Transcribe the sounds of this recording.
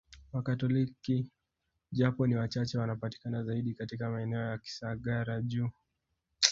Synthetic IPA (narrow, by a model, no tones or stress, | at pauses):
wakatɔliki | ʄapɔniwat͡ʃat͡ʃɛwanapati̥kanazaiɗikatikamaɛnɛɔjaki̥saɠaɾaʄu